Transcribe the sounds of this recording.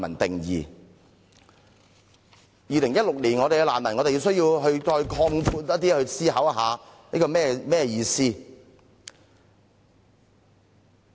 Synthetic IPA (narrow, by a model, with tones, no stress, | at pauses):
mɐ̰˨˩nt̪ɪ˨ŋjḭː˨ | jiː˨˧lɪ˨˩ŋjɐ˥t̚lʊ˨k̚liː˨˩nŋɔː˨˧ɾe˨jɡɛ˧laː˨˩nmɐ˨˩nŋɔː˨˧ɾe˨ji˧ws̬ɥji˧wɦɵ˧ɥt͡ʃɔː˧jkʰɔː˧ŋpʰuː˧t̚ːt̪̬i˥hɵ˧ɥsiː˥ɦɐ˨˥wɐ˧ɦaː˨˧nḭː˥kɔː˧mɛː˥mɛː˥ɛ˧jiː˧siː˥